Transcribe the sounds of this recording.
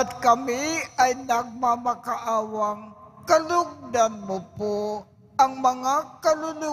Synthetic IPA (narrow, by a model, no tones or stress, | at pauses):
at̪̚kɐmiajnaɡ̚mamakaʔaːwaŋkɐlʊɡ̚d̪anmʊpo | ʔaŋmɐŋakalʊlʊ